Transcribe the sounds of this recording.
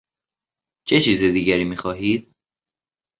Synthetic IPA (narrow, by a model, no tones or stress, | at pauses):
t͡ʃʰe̞t͡ʃʰiːzed̪iːɟæɾiːmiːxɒːɦiːd̪̥